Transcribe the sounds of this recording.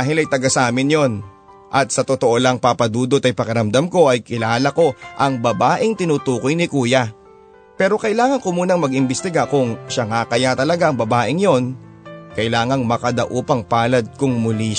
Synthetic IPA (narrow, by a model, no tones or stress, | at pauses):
aɦɪlɐjt̪ɐɡasaːmɪnjo̞n | ʔɐt̪̚sɐt̪ot̪oʔolɐŋpapɐd̪uːd̪ot̪ɐjpɐkɐɾɐmd̪amko̞ʔɐjkɪlaːlɐko̞ʔɐŋbɐbaːʔɪŋt̪ɪnut̪uːkojnɪkuːjɐ | pɛːɾo̞kɐʔɪlaːŋɐŋkʊmuːnɐŋmɐɡɪmbɪst̪ɪɡakʊŋʃaŋakɐjat̪ɐlɐɡaʔɐŋbɐbaːʔɪŋjo̞n | kɐjlaːŋɐŋmɐkɐd̪aʔuːpɐŋpaːlɐd̪̚kʊŋmʊli